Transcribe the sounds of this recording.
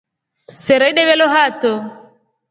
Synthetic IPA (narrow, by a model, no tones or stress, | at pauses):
sɛɾaiɗɛβɛlɔɦat̪ɔ